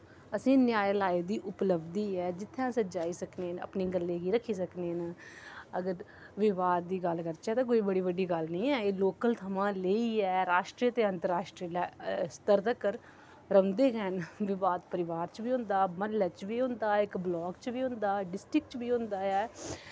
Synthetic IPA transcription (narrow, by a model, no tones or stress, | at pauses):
əsĩːnjaːjlaːed̪iːʔʊpləbd̪iːɛːd͡ʒɪt̪ʰːjãːsəd͡ʒaːiːsəkneːnə̰pneːɡəlːeːɡiːɾəkʰiːs̬əkneːn | əɡəɾ | ʋɪʋaːd̪̚ːiːɡəlkəɾt͡ʃɛːt̪ãːk̬oːiːbəɽiːʋəɖiːɡəlnĩːɛːeːloːkəlt̪ʰəmãːleiːɛːɾaːʃʈɾiːt̪eːə̃nt̪əɾaːʃʈɾiːlast̪əɾt̪əkəɾ | ɾəʋnd̪eːɡɛnʋɪʋaːd̪pəɾɪʋaːɾt͡ʃbiːɦʊ̃nd̪aːmənlɛt͡ʃʋiːɦʊ̃nd̪aːɪkblɔːkt͡ʃʋiːɦʊ̃nd̪aːɖɪsʈɾɪk̚t͡ʃbiːɦʊ̃nd̪aːɛː